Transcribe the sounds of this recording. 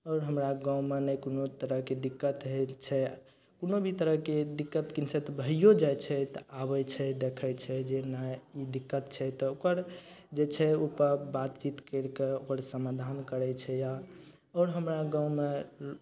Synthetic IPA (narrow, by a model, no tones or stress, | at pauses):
ɔːɾɦəmɾaɡãmenɛjkonot̪əɾəɦked̪ikːət̪ɦelt͡ʃʰɛ | konobʱit̪əɾəɦked̪ikːət̪kinsʰɛt̪ɔbʱəijod͡ʒajt͡ʃʰɛt̪ɔabɛt͡ʃʰɛd̪ekʰɛt͡ʃʰɛd͡ʒenaid̪ikːət̪t͡ʃʰɛt̪ɔokəɾd͡ʒet͡ʃʰɛopəɾbat̪t͡ʃit̪kəɾkeokəɾsəmad̪ʱankəɾɛt͡ʃʰɛja | ɔːɾɦəmɾaɡãʊ̃me